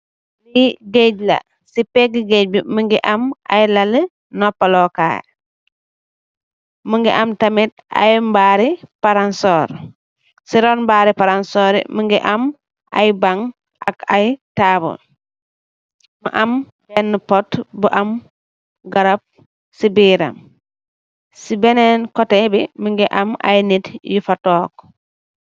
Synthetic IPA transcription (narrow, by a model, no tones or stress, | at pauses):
liɡeɟlɐ̰ | sipɛɡiɡeɟ̚biməŋɡiʔɐma̰jlɐlə | nɔpːalɔka̰ːj | muŋɡiʔɐmtɐmit̚ | a̰jmbaɾipaɾansɔːɾ | siɾɔnmbaːɾipaɾansɔːɾḭməŋɡiʔam | ʔajbaŋ | ʔa̰kajtaːbɔ̰ | muʔam | bɛnːupɔtbuʔam | ɡaɾap̚ | sibiːɾa̰m | sibɛnɛnkɔtɛbimiŋɡɛʔama̰jnitjufatɔːk